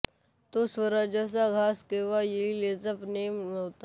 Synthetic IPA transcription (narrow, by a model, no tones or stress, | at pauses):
t̪osʋəɾad͡ʒəs̬aɡʱaːskeːʋajeileːzəpneːmmet̪a